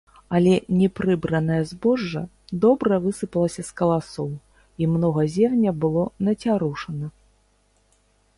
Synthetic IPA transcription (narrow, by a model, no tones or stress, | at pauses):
ɐlʲɛnʲɛpɾɨbɾɐnɐjɐzbɔʐːɐ̰ | d̪ɔbɾɐvɨsɨpɐlˠɐsʲɐskɐlˠasɔw | imnɔɣɐzʲɛmnʲɐbɨlˠɔnɐt͡sʲaɾuʂɐnɐ